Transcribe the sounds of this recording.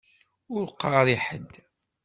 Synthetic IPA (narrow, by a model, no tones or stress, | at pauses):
ʊɾqːɑɾˤiħəd̪